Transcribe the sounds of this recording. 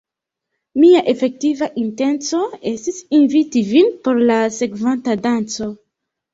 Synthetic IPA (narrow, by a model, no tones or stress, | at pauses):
miaʔefe̞k̚tivaʔinte̞nt͡so̞e̞stisinvitivinpo̞ɾlase̞kvantadant͡so̞